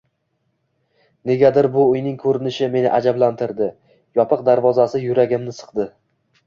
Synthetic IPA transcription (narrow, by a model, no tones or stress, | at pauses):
ne̞ɡʲad̪ɪɾbʊːjnɪŋkʰɵɾɪnɪʃɪme̞nɪʔad͡ʒablant̪ʰɪɾd̪ɪ | jɒpʰɨq̚d̪aɾvɒzasɪjʊɾaɡʲɪmnɪsɨ̥qd̪ɪ